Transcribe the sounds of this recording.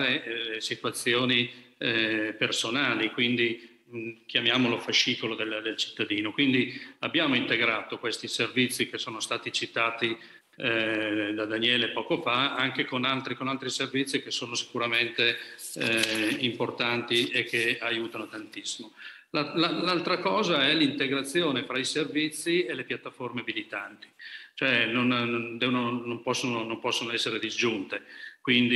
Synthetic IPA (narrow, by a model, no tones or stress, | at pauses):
ɾesit̪wat̪sːjoːni | personaːlikwind̪i | kjamjaːmolofaʃːiːkolod̪eld̪elt͡ʃi̥t̪ːad̪iːnokwind̪iabːjaːmoint̪eɡɾaːt̪okwest̪iservit̪sːik̟esoːnost̪aːt̪it͡ʃit̪aːt̪i | d̪ad̪anjɛːlepɔːkofaaŋkekonalt̪ɾikonalt̪ɾiservit̪sːikesoːnosi̥kuɾament̪e | import̪ant̪iekʰːeajuːt̪anot̪ant̪isːimo | lalalalt̪ɾakɔːzaɛlint̪eɡɾat̪sːjoːnefɾaiservit̪sːielepjat̪ːaformeabilit̪ant̪i̥t͡ʃoɛnonnnd̪ɛvnonompɔsːononompɔsːonoɛsːeɾed̪izd͡ʒunt̪ekwind̪i